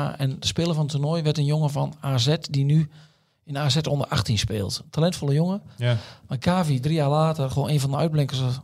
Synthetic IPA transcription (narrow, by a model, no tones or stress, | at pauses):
ɛ̰nəspɪːləfɔnətunɔjʋɛrtənjoŋəfɔnaːzɛtdiny | ɪnaːzɛtondərʔaxtinspɪ̰ːlˠttʰalɛntfolˠəjoŋəmakʰaːvidrijaːrlaːtərxʋoːneːnfɔndəœ̰ɥd̚blɪŋkəs